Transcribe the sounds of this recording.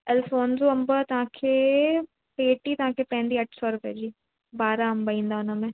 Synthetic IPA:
ɛlfoːnzuɐ̃mbət̪ɐʋ̤ãkʰeː | peːʈit̪ɐʋ̤ãːkʰepɐ̃ɦɪ̃nd̪iɐʈʰsɔɾʊpḛːd͡ʑiː | baːɾaɐ̃mbaĩːnd̪aʊnəmẽ

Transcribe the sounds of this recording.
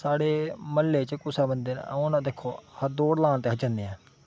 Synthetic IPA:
saːɽeːməlːeːt͡ʃkʊsaːbənd̪eːn̰õnãːd̪eːkʰːoːhəd̪oːɽlãːnt̪eːɦət͡ʃənd̪eːɛ̃ː

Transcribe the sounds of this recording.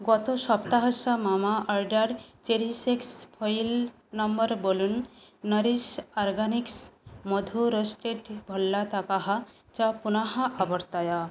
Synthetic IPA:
ɡɔt̪osɔpt̪aɦasamamaʔɔɾɖaɾt͡ʃeɾisekspʰojl | nɔmbɔɾbolunːʌɾisɔɾɡaniksmod̪ʱuɾosʈeʈbʱɔlːat̪akaɦa | t͡ʃapunaɦaʔabɔɾt̪aja

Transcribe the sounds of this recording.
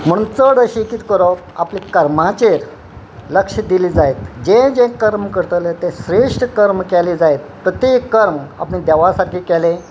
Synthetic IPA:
m̤əɽ̃unt͡səɽəɕikit̪kəɾɔ | aplikəɾmãt͡ɕeɾ | ləkʂəd̪iliːd͡zajt̪d͡ʑẽd͡ʑẽkəɾmkəɾt̪əlet̪ẽɕɾeʂʈkəɾmkɛlid͡zaet̪̚pɾət̪jekːəɾma̰pnĩd̪ɛʋasaɾkʰiːkɛlẽ

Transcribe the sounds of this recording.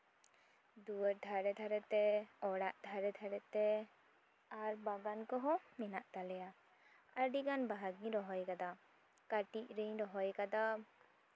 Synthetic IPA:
d̪uəɾd̪ʱaɾɛd̪ʰʱaɾɛt̪ɛɔɽaʔd̪ʱaɾɛd̪ʰʱaɾɛt̪ɛ | aɾbaɡankɔɦɔmɛnaʔt̪alɛja | aɾɖiɡanbaɦaɡĩɾɔɦɔjkad̪a | kaʈiʔɾiɲɾɔɦɔjkad̪a

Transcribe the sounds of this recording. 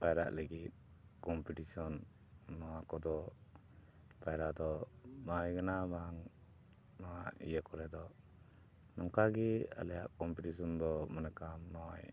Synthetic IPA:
bajɾa̰ʔləɡit̪̚kɔmpiʈisɔnː | ɔwakɔd̪ɔ | pajɾaʔd̪ɔmajɡanabaŋ | nɔwaʔḭjəkɔɾɛd̪ɔ | nɔŋkaɡɛa̰lɛjaʔkɔmpiʈisɔnd̪ɔmənɛkamnɔwaj

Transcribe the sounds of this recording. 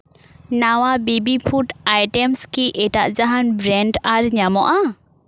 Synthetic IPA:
nawabibipʰuʈajʈɛmskiʔɛʈaʔd͡ʒaɦanbɾɛnɖaɾɲamɔʔa

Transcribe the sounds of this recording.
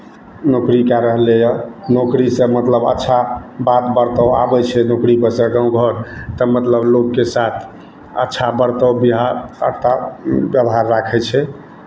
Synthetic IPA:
nokɾikaɾəɦlejənokɾisẽmət̪ləbə̰tːʃʰabat̪bəɾt̪əa̰bɛt͡ʃʰɛnokɾipəsəɡãũɡʱəɾt̪əmət̪ləblokːesat̪ʰ | ə̰tːʃʰabəɾt̪əbiɦaɾə̰ɾt̪abjəbɦaɾːakʰɛt͡ʃʰɛ

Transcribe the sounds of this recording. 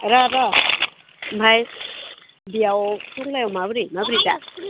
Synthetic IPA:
ɾaɾa | mbʱaj | bijawpʰuɾlajɔmabɾimabɾida

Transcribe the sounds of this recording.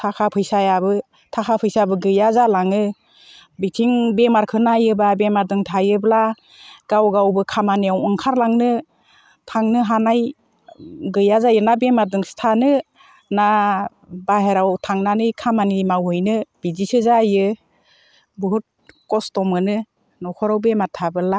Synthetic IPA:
tʰakʰapʰɯjsajabɯ | tʰakʰapʰɯjsabɯɡɯjazalaŋɯ | bitʰiŋbemaɾkʰɯnajɯbabemaɾdɯŋtʰajɯbla | ɡ̥awɡawbɯkʰamanijawɯŋkʰaɾlaŋnɯ | tʰaŋnɯɦanaj | ɡɯjazajɯnabemadɯŋstʰanɯ | na | baɦeɾawtʰaŋnanɯjkʰamanimawɦɯjnɯb̥izisɯzajɯ | bɯɦut̚kɔstɔmɯnɯ | nɔkʰɔɾawbematʰabɯla

